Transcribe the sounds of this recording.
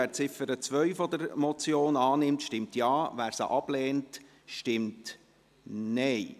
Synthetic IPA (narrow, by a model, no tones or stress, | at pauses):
æːɾt͡sɪfəɾət͡sʋœɥfɔd̪əɾmɔt͡sjoːnɑːnɪmtʃtɪmtjɑːʋæːɾsə̰ʔɑb̥lɛːnt | ʃtɪmt | nɛj